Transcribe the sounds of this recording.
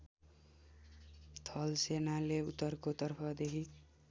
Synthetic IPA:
t̪ʰʌlsenaleut̪ːʌrkot̪ʌrpʰʌd̪ekʰi

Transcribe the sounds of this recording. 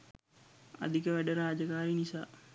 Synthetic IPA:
a̰d̪ikəʋæɖəɾaːd͡ʒəkaːɾinisaː

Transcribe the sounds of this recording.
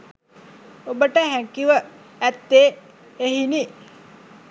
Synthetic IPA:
obəʈəɦækiʋə | æt̪ːeː | eɦini

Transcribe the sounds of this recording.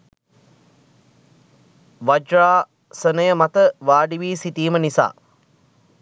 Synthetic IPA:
ʋad͡ʒraː | sənəjəmat̪əʋaːɖiʋiːsit̪iːmənisa̰ː

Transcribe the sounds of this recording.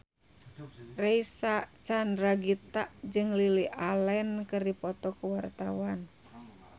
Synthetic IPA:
rɛisat͡ʃandɾaɡit̪aʔd͡ʒɨŋliliʔalɛnkɨrdipɔt̪ɔkuwart̪awan

